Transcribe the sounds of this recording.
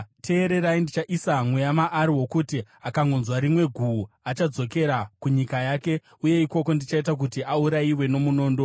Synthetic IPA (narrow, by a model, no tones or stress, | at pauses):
tʰe̞ːɾe̞ɾaindit͡ʃaʔisamwejamaʔːɾiwo̞kutiakaŋɡonzwaɾimwe̞ɡʱu | at͡ʃad͡zo̞ke̞ɾakuɲikajaːke̞ | uje̞iko̞ko̞ndit͡ʃaitak̬utiauɾaiwe̞no̞muno̞ːndo̞